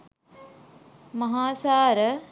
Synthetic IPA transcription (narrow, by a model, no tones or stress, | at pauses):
mɐɦaːsaːɾə